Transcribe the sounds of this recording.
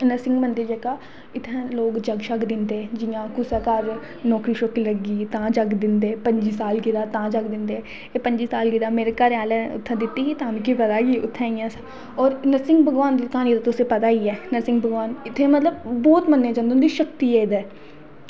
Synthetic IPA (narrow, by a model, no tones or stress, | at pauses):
nəsɪ̃ŋɡmə̃nd̪əɾd͡ʒeːkaː | ɪt̪ʰːɛ̃loːɡd͡ʒəɡʃəkd̪ɪnd̪ed͡ʒɪjãːkʊsakaɾ | nɔːkɾiːʃokiləɡiːt̪ãːd͡ʒəɡd̪ɪnd̪eːpə̃ɲd͡ʒiːsaːlɡɪd̪aːt̪ãːd͡ʒəɡd̪ɪ̃nd̪e | epəɲd͡ʒiːsaːlɡɪd̪aːmeːɾekəɾaːlɛ̃ːʊ̰t̪ʰːɛ̃ːd̪ɪt̪ːiːɦit̪ãmkipət̪aːɡiːʊ̰t̪ʰːɛ̃ːijãːs | ɔːɾnəsɪ̃ŋɡbʱəɡʋaːnd̪ikãːnid̪at̪oʊsepət̪aːiːɛːnəsɪ̃ŋɡ̚bʱəɡʋaːnɪt̪ʰːẽːmət̪ləb̚ːɔːt̪mənːẽːd͡ʒə̃nd̪õnd̪iʃəkt̪iːeːd̪ɛː